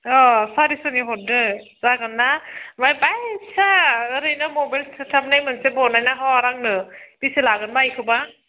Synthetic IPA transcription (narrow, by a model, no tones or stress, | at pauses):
ɔsaɾisɯniɦɔt̚dɯ | zaɡɯnːamajbajsʰaɾɯjnamɔbajlsʰɯtʰap̚najmɯnsebɔnajnaɦɔɾaŋnɯb̥iselaɡɯnbajkʰɯba